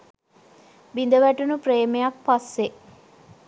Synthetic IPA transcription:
bind̪əʋæʈunupɾeːmejak̚pasːe

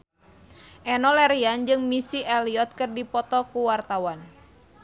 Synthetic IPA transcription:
ʔɛnɔlɛɾiand͡ʒɨŋmisiʔɛliɔt̪̚kɨrdipɔt̪ɔkuwart̪awan

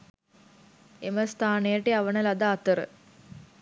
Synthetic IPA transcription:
eməst̪ʰaːnejəʈiaʋənəlad̪aːt̪əɾə̰

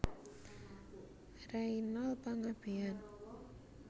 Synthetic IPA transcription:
rainɔlpaŋab̥ean

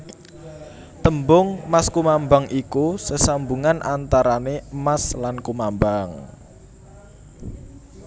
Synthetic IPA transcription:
t̪əmbʊŋmaskumambaŋʔikusəsambuŋanʔant̪aɾanemaslankumambaŋ

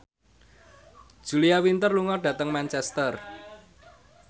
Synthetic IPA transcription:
ʒ̥ṳliawint̪ərluŋɔɖ̥ä̤t̪əŋmant͡ʃɛst̪ər

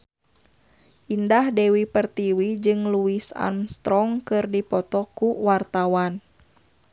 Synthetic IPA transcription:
ʔindahdɛwipərt̪iwid͡ʒɨŋluisa̰mst̪ɾɔŋkɨrdipɔt̪ɔkuwart̪awan

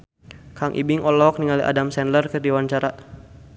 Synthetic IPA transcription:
kʰaŋʔḭbɪŋʔɔlɔk̚niŋaliʔa̰damsɛnlərkərdiwaɲt͡ʃaɾa

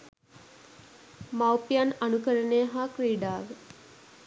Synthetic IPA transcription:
mawpijananukəɾəneɦaːkɾiːɖaːʋe

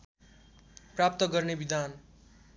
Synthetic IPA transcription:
prap̚t̪ʌɡʌrnebid̪an

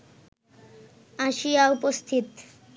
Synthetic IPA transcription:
aʃijaupost̪ʰit̪

